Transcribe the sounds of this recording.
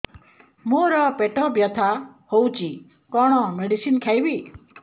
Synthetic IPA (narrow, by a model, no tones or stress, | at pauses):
moɾɔpeʈɔbjɔt̪ʰahowt͡ʃi | kɔɽ̃ɔmeɽisinkʰjajbi